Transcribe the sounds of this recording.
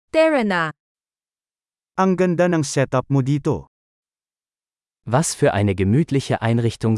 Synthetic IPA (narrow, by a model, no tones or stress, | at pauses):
t̪ɛɹɛna | ʔɐŋɡɐnd̪anɐŋsɛt̪ɐp̚mod̪iːt̪o̰ | vasfyːɐʔaɪnəɡəmyːt̪ʰlɪçəʔaɪnʁɪçt̪ʊŋ